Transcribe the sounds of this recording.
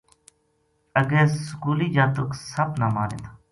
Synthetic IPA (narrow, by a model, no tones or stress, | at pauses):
əɡeːsʊkuːliːd͡ʒaːt̪oksəbnaːmaːnḛːt̪a